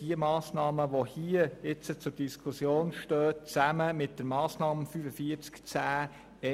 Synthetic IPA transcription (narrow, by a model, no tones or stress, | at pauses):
diəmɑːsnɑːməʋohiəɪt͡sət͡sʊɾd̥iskʰusjoːnʃtøːtt͡sæməmɪt̚d̥əɾmɑːsnɑːmfyfəfiəɾt͡skt͡sæː | ɛ